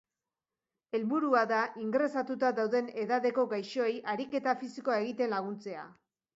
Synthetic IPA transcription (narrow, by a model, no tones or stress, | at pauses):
e̞lβuɾuaðaʔiŋɡɾe̞sat̪ut̪aðawðe̞ne̞ðaðe̞ko̞ɡajʃo̞ejʔaɾike̞t̪afisiko̞ae̞ɣit̪e̞nlaɣ̞unt͡se̞a̰